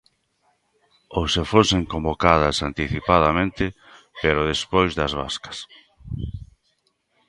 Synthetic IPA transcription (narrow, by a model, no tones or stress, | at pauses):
owsefoseŋkõmbokað̞ɐsant̪iθipaðɐmẽnt̪ɪ | peɾoðespojzðɐzβa̰skɐ̥s